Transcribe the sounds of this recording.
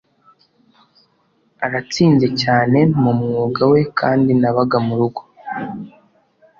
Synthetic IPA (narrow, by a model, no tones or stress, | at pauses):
aɾat͡siːnze̞caːne̞mumŋuːɡawe̞kʰaːndinaβaɡamuɾuɡo̞